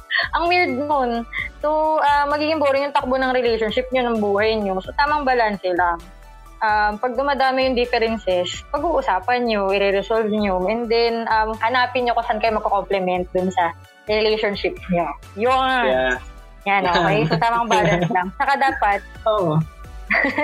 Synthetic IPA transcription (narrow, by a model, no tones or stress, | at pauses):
ʔɐŋmild̪̚nonsoʔamːɐɡiːɡɪŋboːɾɪɲjʊŋt̪ɐk̚bonɐŋɾɛlejʃonʃɪp̚ɲonɐŋbuːhɐjɲosot̪aːmɐŋbɐlansɛlɐŋ | ʔampɐɡ̚d̪ʊmad̪aːmɪjʊŋd̪ɪfɛɾɛnsɛspɐɡuːʔʊsaːpɐnɲoʔɪɾɛɾɛsolvɲoʔɛnd̪ɛnʔamhɐnaːpɪɲɲokʊsankɐjmɐɡkokomplɛmɛnt̪̚d̪ʊnsɐ | ɾɛlejʃonʃɪp̚ɲo | joŋ | janooʔɐjŋsot̪aːmɐŋbaːlɐnslɐŋt͡ʃɐkad̪aːpɐt̪̚oʔo